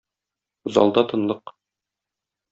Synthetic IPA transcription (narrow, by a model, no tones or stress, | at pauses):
zɒ̰lˠd̪ɑt̪ɤ̆nlˠɤq